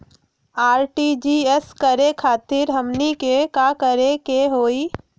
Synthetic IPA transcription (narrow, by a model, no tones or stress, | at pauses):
aːɾʈid͡ʒieskəɾekʰaːt̪ɪɾɦəmnikekaːkəɾekeɦoːiː